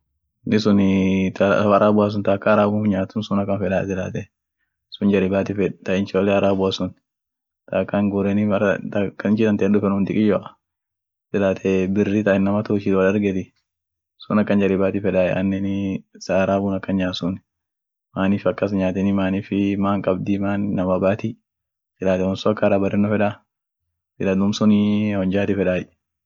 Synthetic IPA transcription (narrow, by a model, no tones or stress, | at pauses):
nɪsʊnt̪ɐɐɾaːbʊas̬ʊnt̪aːkːaɾaːbʊnfɲaːt̪ːʊnsʊnɐkːɐnfɛᶑaːsɪla̰ːt̪ɛ | sʊnd͡ʒɐɾɪbaːt̪ɪfɛt̪ɐʔɪnt͡ʃoːlːɛɐɾaːbʊasʊn | t̪ʰakːaŋɡʊɾɛnɪɐt̪ɐkːɐɪt͡ʃɪd̪ɐnt̪ɛːndʊfɛnʊnt̪ɪkʼɪjoːʔɐ̥ | sɪlaːt̪ʰɛbɪrːɪt̪ɐʔɪnːɐmɐt̪ʊːʃɪt̪wɐlɐɾɡɛt̪ɪ | sʊnɐkːɐnd͡ʒɐlɪbaːt̪ɪfɛᶑaːj̰ɐ̰nːɛnɪsaːɾaːbuːnɐkːɐnɲaːsʊn | maːniːfɐkːɐs̬ɲaːt̪ɛnɪmaːniːfɪmaːŋkʼɐbd̪imaːnːɐmɐbaːt̪i | sɪlaːt̪ɛhɔnsoɐkːɐɾaːbɐɾɛnːɔfɛᶑa | sɪlɐnʊmsʊnɪhɔnd͡ʒaːt̪ɪfɛᶑaːj